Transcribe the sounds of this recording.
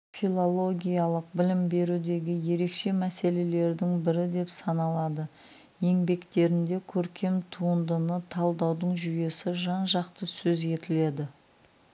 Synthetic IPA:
filˠo̞lˠo̞ɡʲijalˠəq̚bɪlɪmbe̞ɾud̪e̞ɡʲɪje̞ɾe̞kʃe̞mæse̞le̞le̞ɾd̪ɪŋbɪɾɪd̪e̞psɑnɑlˠɑd̪ə | je̞ŋbe̞kt̪e̞ɾɪnd̪e̞kʲʰɵɾkʲʰe̞mt̪ʰuənd̪ənət̪ʰɑlˠd̪ɑwd̪əɴʒʏje̞sɪʒɑnʒɑqt̪əsɵze̞t̪ɪle̞d̪ɪ

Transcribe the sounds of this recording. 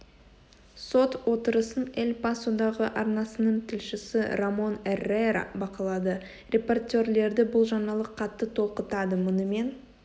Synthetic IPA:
so̞t̪wo̞t̪əɾəsənelʲpasod̪ɑʁəʔɑɾnɑsənəɴt̪ʰɪlʃɪsɪɾamo̞nerːeɾ̰bɑqɑlˠɑd̪ə | rʲe̞po̞rt̪ʲe̞rle̞ɾd̪ɪbʊlˠʒɑnɑlˠəqʰːɑt̪ːət̪ʰo̞lˠqət̪ɑd̪əmʊnəme̞n

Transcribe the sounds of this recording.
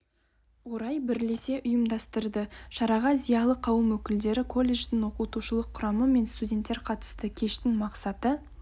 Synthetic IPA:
wo̞ɾɑjbɪɾle̞se̞ʔʊjəmd̪ɑst̪əɾd̪əʃɑɾɑʁɑzijɑlˠəqʰɑwəmwɵkʲɪld̪e̞ɾɪkʰo̞lʲːe̞ʒd̪ɪŋwo̞qut̪uʃəlˠəqʰːʊɾɑməme̞nst̪udʲe̞nt̪ːe̞ɾqʰɑt̪ə̥st̪əkʲʰe̞ʃt̪ɪŋmɑqsɑt̪ə

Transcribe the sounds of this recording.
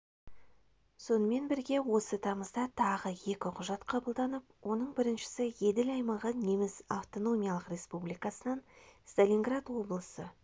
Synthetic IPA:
so̞nəme̞nbɪɾɡʲe̞wo̞sət̪ʰɑməzd̪ɑt̪ʰɑʁəje̞kʲɪqʰʊʒɑt̪qʰɑbəlˠd̪ɑnəp̚wo̞nəɴbɪɾɪnʃɪ̥sɪje̞d̪ɪlɑjmɑʁəne̞mɪzaft̪o̞no̞mʲijɑlˠəqɾe̞spublijkɑsənɑnst̪alʲiŋɡrad̪wo̞blˠəsə

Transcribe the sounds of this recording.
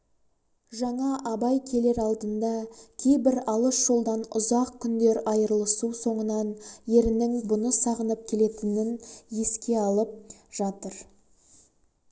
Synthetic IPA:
ʒɑɴɑʔɑbɑjkʲʰe̞le̞ɾɑlˠd̪ənd̪ɑkʲʰe̞jbɪɾɑlˠəsʒ̥o̞lˠd̪ɑnʊzɑq̚kʲʰːʏnd̪e̞ɾɑjəɾlˠəsuso̞ɴənɑnje̞ɾɪnɪŋbʊnəsɑʁənəp̚kʲʰe̞le̞t̪ɪnɪnje̞skʲe̞ɑlˠəp̚ʒ̥ɑt̪əɾ

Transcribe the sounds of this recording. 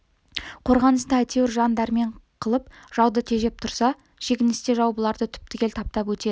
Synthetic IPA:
qʰo̞ɾʁɑnəsd̪əæjt̪e̞wɪɾʒɑnd̪æɾme̞ɴqʰəlˠəpʒ̥ɑwd̪ət̪ʰe̞ʒe̞p̚t̪ʰʊɾsɑ | ʃe̞kʲɪnɪst̪e̞ʒɑwbəlˠɑɾd̪ət̪ʰʏ̥p̚t̪ɪkʲe̞lt̪ʰɑp̚t̪ɑpwɵt̪e̞

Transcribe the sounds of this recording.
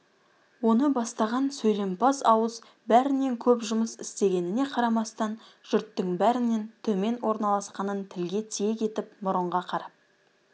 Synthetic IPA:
wo̞nəbɑst̪ɑʁɑnsɵjle̞mpɑsɑwəz | bæɾɪne̞ŋkʲʰɵpʒʊməsɪst̪e̞ɡʲe̞nɪne̞qʰɑɾɑmɑst̪ɑn | ʒ̥ʏɾt̪ːɪŋbæɾɪne̞nt̪ʰɵme̞nwo̞ɾnɑlˠɑsqɑnənt̪ʰɪlɡʲe̞t̪ʰijekʲʰe̞t̪ɪp̚bʊɾəɴʁɑqʰɑɾɑp̚

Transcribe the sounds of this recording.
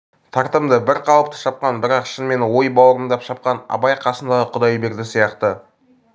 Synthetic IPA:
t̪ʰɑɾt̪əmd̪əbɪɾqʰɑwəp̚t̪ə̥ʃɑp̚qɑnbɪɾɑqʃənme̞nwo̞jbɑwəɾəmd̪ɑpʃɑp̚qɑnɑ̰bɑjqʰɑsənd̪ɑʁəqʰʊd̪ɑjbe̞ɾd̪ɪsijɑqt̪ə

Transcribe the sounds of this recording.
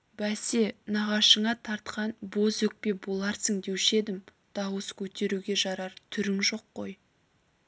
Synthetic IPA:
bæsenɑʁɑʃəɴɑt̪ʰɑɾt̪qɑnbo̞zɵk̚pe̞bo̞lˠɑɾsəŋd̪e̞wʃe̞d̪ɪm | d̪̥ɑwəskʲʰɵt̪e̞ɾuɡʲe̞ʒɑɾɑɾt̪ʰʏɾɪŋʒo̞qːo̞̰j

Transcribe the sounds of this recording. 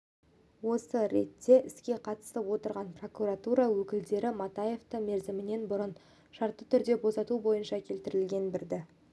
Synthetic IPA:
wo̞səɾe̞t̪ːe̞ʔɪskʲe̞qʰɑt̪ə̥st̪əpwo̞t̪əɾʁɑnpro̞kuɾat̪uɾɑwɵkʲɪld̪e̞ɾɪmɑt̪ɑje̞ft̪əme̞ɾzɪmɪne̞nbʊɾən | ʃɑɾt̪ːət̪ʰʏɾd̪e̞bo̞sɑt̪ubo̞jənʃɑkʲʰe̞lt̪ɪɾɪlɡʲe̞nbɪɾd̪ɪ

